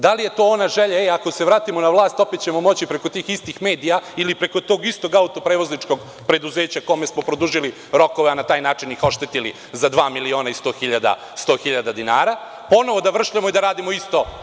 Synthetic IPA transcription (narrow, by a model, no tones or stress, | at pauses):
d̪alije̞t̪oːonaʒeʎaeakose̞ʋɾaːt̪imo̞naʋlˠaːst̪o̞pet̪̚t͡ɕe̞mo̞mo̞t͡ɕipɾe̞ko̞t̪iːxist̪ixme̞ːd̪ijailipɾe̞ko̞t̪o̞ːɡist̪o̞ɡaut̪o̞pɾeːʋo̞znit͡ʂko̞ɡ | pɾe̞d̪uzeːt͡ɕako̞me̞smo̞pɾo̞d̪uʒili | ɾo̞ko̞ʋeanat̪aːjnaːt͡ʂinixo̞ʃt̪e̞t̪ili | zad̪ʋaːmilio̞ːnaist̪o̞ːxiʎad̪a̰ | st̪o̞ːxiʎad̪ad̪inaːɾa | po̞no̞ʋo̞d̪aʋr̩ʃʎamoid̪aɾaːd̪imoist̪o̞